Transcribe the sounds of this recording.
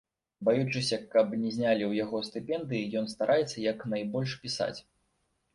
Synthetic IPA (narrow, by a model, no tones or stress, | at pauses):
bajut͡ʂɨsʲɐkɐpnʲɛzʲnʲalʲiwjaɣɔst̪ɨpʲɛnd̪ɨjijɔnst̪aɾʔajɛt̪sːɐjɐknajbɔlʲʂpʲisa̰t͡sʲ